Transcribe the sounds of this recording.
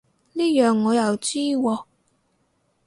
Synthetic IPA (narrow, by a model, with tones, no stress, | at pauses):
liː˥jœː˨˩ŋːɔː˨˧jɐ˨wt͡siː˥wɔː˧